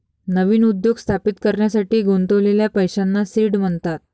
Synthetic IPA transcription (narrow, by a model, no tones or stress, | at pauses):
nəʋiːnud̪joɡst̪ʰapit̪kəɾɳjasaʈiːɡʱunt̪əʋleljapəjɕanːasiːɽm̤əɳt̪at̪̚